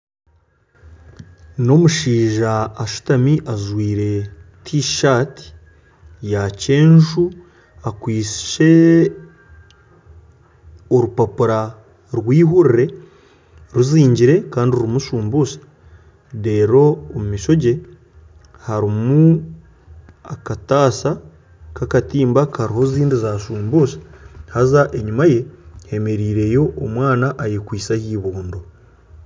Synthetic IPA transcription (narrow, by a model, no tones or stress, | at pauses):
no̞muʃiːʒaːʃu̥tamiʔazwiːɾe̞tʰiʃati̥ | jace̞ːnʒu | akwiːsi̥ʃe̞ | oɾupapuɾa | ɾwiːɦuɾiɾe̞ | ɾuziːɲɟiɾe̞kaːndiuɾimuʃuːmbusḁ | de̞ːɾo̞ːmumiʃo̞ɟe̞ | haɾimu | akataːsa | kakatiːmbakaɾiɦo̞ziːndizaːʃuːmbusḁhazaʔe̞ɲumaje̞he̞me̞ɾiːɾe̞jo̞ʔːmwaːnaʔːjekwiːsahiːβuːndo̞